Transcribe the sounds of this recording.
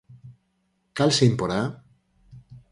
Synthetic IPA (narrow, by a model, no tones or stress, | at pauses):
kalseimpoɾa